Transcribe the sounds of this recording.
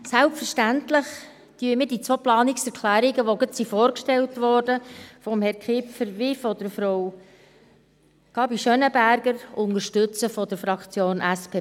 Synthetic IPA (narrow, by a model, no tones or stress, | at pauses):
sælpfəɾʃtæntlɪχ | tyːəmɪːdit͡sʋoplɑːniksɛɾkʰlæːɾiɡəʋoɡətsifoːɾkʃtɛltʋɔːɾdəfɔmhɛɾkʰχɪpfəɾʋɪfɔd̥əɾfɾow | kʰɑbiʃœnəbæɾɡəɾʊŋəɾʃtɵt͡səfɔdəɾfɾɑkt͡sjoːnʔæspʰeː